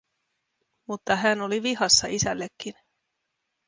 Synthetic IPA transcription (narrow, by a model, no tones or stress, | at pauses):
mut̪ːɑɦæno̞liʋiɦɑsːɑʔisælːekːin